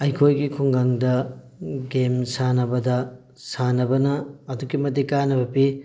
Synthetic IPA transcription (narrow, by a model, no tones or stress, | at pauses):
ɐjkʰojɡikʰuŋɡaŋdɐ | ɡemsanɐbɐdɐ | sanɐbɐnɐːdukimɐtikanɐbɐpi